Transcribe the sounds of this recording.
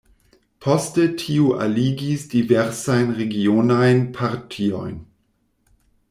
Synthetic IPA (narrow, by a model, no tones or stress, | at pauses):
pʰɔstətʰiːuʔa̰liːɡisd̥ivɛʁsaɪnʁeɡionaɪnpʰaʁtʰiɔ̰ɪn